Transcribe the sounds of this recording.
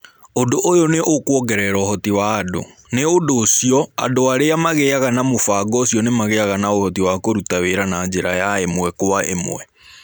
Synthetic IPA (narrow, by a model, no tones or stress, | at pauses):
ondoʔojoneʔokwɔɡɛɾɛɾɔhɔtiwaːdo̰ | neondoːsiɔa̰doaɾeamaɣeaɣanamofaɡɔsiɔnemaɣeaɣanaohɔtiwakoɾutaweɾanaːɲd͡ʑeɾajaemwɛkowaʔḛmo̰wɛ